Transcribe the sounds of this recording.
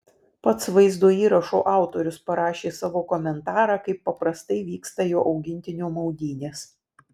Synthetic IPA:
pɐt̪sʋɐɪzd̪oːiːɾɐʃo̰ːʔɑˑʊt̪oːɾʲʊspɐɾɑːʃʲeːsɑːʋoːkɔmʲɛnt̪ɑːɾɑːkɐɪpːɐpɾɐst̪ɐɪʋʲiːkst̪ɐjoːʔɒʊɡʲɪnʲt̪ʲɪnʲoːmɐʊd̪ʲiːnʲeːs

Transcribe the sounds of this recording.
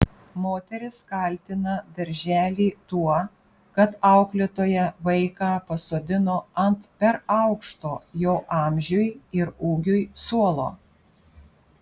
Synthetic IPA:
moːt̪ʲɛɾʲɪskɐˑlʲt̪ʲɪnɐd̪ɐɾʲʒʲæːlʲiːt̪uɔ | kɐt̪ɑˑʊklʲɪt̪oːjɛʋɐɪkɑːpɐsoːd̪ʲɪnoːɐnt̪pʲɛɾɑʊkʃt̪oːjoːʔɑːmʲʒʲʊjɪɾuːɡʲʊjsuɔlˠo̰ː

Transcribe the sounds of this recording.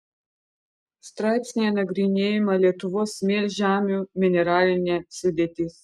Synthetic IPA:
st̪ɾɑːɪt̪ʲsʲnʲijɛnɐɡɾʲɪnʲeːjɪmɐlʲiɛt̪ʊʋoːsmʲeːlʲʒʲæːmʲumʲɪnʲɛɾaːlʲnʲɛsʊd̪ʲeːt̪ʲɪs

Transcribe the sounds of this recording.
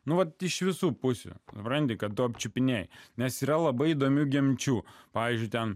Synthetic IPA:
nʊʋɐt̪ɪʃʋʲɪsuːpʊsʲʊ̰sʊpɾɐnʲt̪ʲɪkɐtt̪ʊɐp̚ʲt͡ʃʲʊpʲɪnʲeːjnʲɛsiːɾɐlˠɐbɐɪid̪oːmʲuːɡʲɛmʲt͡ʃʲuːpɑːʋʲiːzʲd͡ʒʲʊɪt̪ʲɛn

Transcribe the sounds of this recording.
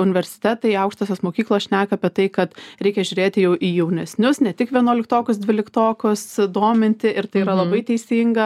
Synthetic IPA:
ʊnʲɪʋʲɛɾʲsʲɪ̥t̪ʲɛt̪ɐɪɐʊkʃt̪oːsʲoːsmoːkʲiːklˠosʃʲnʲæːkɐɐpʲiɛt̪ɐɪkɐt̪ɾʲɛɪkʲɛʒʲʊːɾʲeːt̪ʲɪjɛʊʔijɛʊnʲɛsʲnʲʊsnʲɛt̪ʲɪkʋʲiɛnuɔːlʲɪkt̪oːkʲʊsd̪ʲʋʲɪlʲɪkt̪oːkʲʊsd̪oːmʲɪnʲt̪ʲɪʔɪɾt̪ɐɪiːɾɐlˠɐbɐɪt̪ʲɛɪsʲiːŋɡɐ

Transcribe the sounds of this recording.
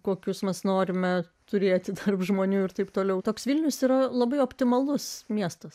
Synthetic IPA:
koːkʲʊsmʲɛsnoːɾʲɪmʲɛ | t̪ʊɾʲeːt̪ʲɪt̪ɐrpʒmoːnʲuːɪrt̪ɐɪpt̪oːlʲɛʊt̪oːksʋʲɪlʲnʲʊsiːɾɐlˠɐbɐɪoːpʲt̪ʲɪmɐlˠʊsmʲiɛst̪ɐs

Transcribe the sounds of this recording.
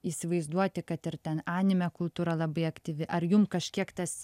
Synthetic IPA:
iːsʲɪʋɐɪzd̪uɔt̪ʲɪkɐt̪ɪɾt̪ʲɛnɑːnʲɪmʲɛkʊlˠt̪uːɾɐlˠɐbɐɪɐkt̪ʲiːʋʲɪʔɐɾjʊmkɐʃʲkʲiɛkt̪ɐs

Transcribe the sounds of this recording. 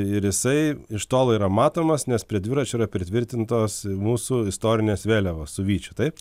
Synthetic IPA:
ɪɾjɪsɐɪɪʃt̪oːlˠiːɾɐmɑːt̪oːmɐsnʲɛspʲɾʲiɛd̪ʲʋʲɪɾɐt͡ʃʲʊiːɾɐpʲɾʲɪt̪ʲʋʲɪɾʲt̪ʲɪnt̪oːsmuːsʊɪst̪oːɾʲɪnʲeːsʋʲeːlʲɛʋoːssʊʋʲiːt͡ʃʲʊt̪ɐɪp

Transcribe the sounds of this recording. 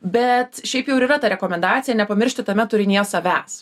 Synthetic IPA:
bʲɛt̪ʃʲɛɪpjɛʊɾiːrɐt̪ɐɾʲɛkoːmʲɛnd̪ɑːt̪sʲɪjɛnʲɛpɐmʲɪɾʲʃʲt̪ʲɪt̪ɐmʲɛt̪ʊɾʲɪnʲiɛsɐʋʲæːs

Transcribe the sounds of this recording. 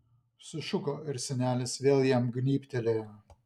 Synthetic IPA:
sʊʃʊkoːɪɾsʲɛnʲæːlʲɪsʋʲeːlˠjɛmɡnʲiːpʲt̪ʲɛlʲeː

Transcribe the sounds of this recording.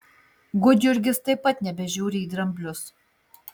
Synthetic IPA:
ɡʊd͡ʒ̪ʲʊɾʲɡʲɪst̪ɐɪpːɐt̪nʲɛbʲɛʒʲuːɾʲɪiːd̪ɾɐmʲbʲlʲʊs

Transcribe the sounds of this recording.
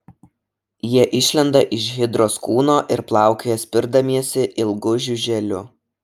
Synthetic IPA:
jiɛʔɪʃʲlʲɛnd̪ɐʔɪʃɣʲɪd̪ɾoːskuːnoːʔɪɾplˠɑˑʊkʲejɛsʲpʲɪɾd̪ɐmʲiɛsʲɪʔɪlˠɡʊʒʲʊʒʲɛlʲʊ

